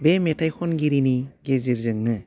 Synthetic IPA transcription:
bemetajkʰɔnɡiɾiniɡeziɾzɯŋnɯ

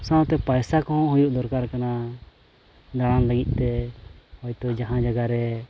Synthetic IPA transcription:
sãt̪ɛpajsakɔɦɔ̃ɦujuʔd̪ɔɾkaɾkana | d̪aɽ̃anlaɡit̪̚ˀt̪ɛhɔjt̪ɔd͡ʒaɦãd͡ʒaɡaɾɛ

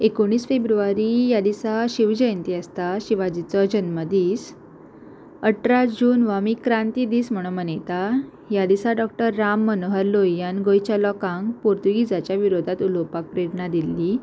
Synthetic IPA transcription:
ekoɳ̃ːiːsfebɾuaɾijad̪isaɕiʋd͡ʑəjənt̪iast̪aɕiʋad͡ʑit͡sɔd͡ʑənməd̪iːs | əʈɾad͡ʑuːnʋamikɾãnt̪id̪iːsm̤əɽ̃ũmənejt̪a | jad̪isaɖɔk̚ʈəɾːamːənoɦəɾlojanɡojt͡ɕalɔkãŋɡpoɾt̪uɡid͡zat͡ɕjaʋiɾod̪ʱat̪ulowpak̚pɾeɾnad̪ilːi

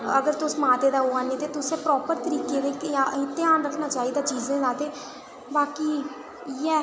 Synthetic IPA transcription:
ə̰ɡəɾt̪ʊsmãːt̪eːd̪aːɦoaːnĩːt̪eːt̪ʊsẽːpɾɔːpəɾt̪əɾiːkeːd̪eːkjaɪt̪ːeaːnɾəkʰnaːt͡ʃaːiːd̪aːt͡ʃiːzẽːzaːt̪eː | baːkiː | jɛː

